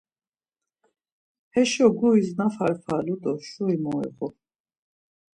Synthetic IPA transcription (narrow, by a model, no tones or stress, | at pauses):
hɛʃɔɡuiznafaɾfʰalud̪ɔʃɔimɔɛ̰ɣɔ